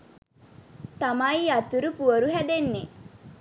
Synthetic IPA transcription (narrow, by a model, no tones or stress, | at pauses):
t̪amajat̪uɾupuəɾuɦæd̪enːe